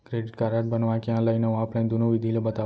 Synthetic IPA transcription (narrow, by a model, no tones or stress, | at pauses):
kɾeːɖiʈ̚kaɾaːʈ̚bɐnɐʋaːkijãːlɐjnɐʋaːpʰlɐjnd̪unuʋid̪ʱijlɐbɐt̪aː